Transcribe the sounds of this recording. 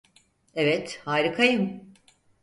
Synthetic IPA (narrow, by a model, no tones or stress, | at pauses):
evɛt̪haːɾikʰajɯm